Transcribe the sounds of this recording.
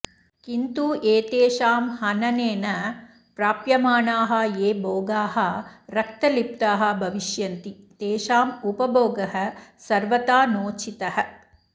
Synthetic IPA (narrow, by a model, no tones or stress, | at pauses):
kint̪uːʔeːt̪eːʃaːmhɐnɐneːnɐ | pɾaːpjɐmaːɳaːɦɐ̆jeːboːɡaːɦɐ̆ɾɐk̚t̪ɐlip̚t̪aːɦɐ̆bʱɐʋiʃjɐnt̪it̪eːʃaːmupɐboːɡɐɦɐ̆sɐɾʋɐt̪aːnoːt͡ʃit̪ɐhɐ̆